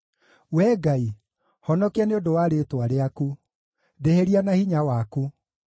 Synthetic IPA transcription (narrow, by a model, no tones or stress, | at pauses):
wɛɡai | hɔnɔkeaneodowaɾetwaɾeaku | ðeheɾianahiɲawaku